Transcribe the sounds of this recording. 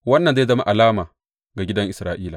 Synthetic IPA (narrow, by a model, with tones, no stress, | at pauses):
wɐ˦nːɐ˨nza˦zɐ˦ma̰˦ʔa˨laː˦maː˨ | ɡa˨ɡʲɪ˦dɐ˦ŋʔɪ˨sɾaː˨ʔiː˦laː˨